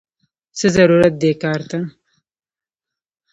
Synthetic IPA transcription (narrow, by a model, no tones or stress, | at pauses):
səzɐɾuɾat̪̚d̪ekɑːɾt̪a